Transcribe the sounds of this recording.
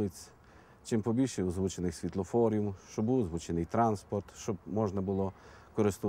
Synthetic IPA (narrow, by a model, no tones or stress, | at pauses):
ɪt͡sʲ | t͡ʃɪmpɔbʲilʲʃɛʊzʋut͡ʃenɪxsʲʋʲit̪lˠɔfɔɾʲijʊmʃt͡ʃɔbuwzʋut͡ʃenɪjt̪ɾɑnspɔrt̪ʃt͡ʃɔb̚mɔʒnɐbʊlˠɔ | kɔɾɪst̪ʊ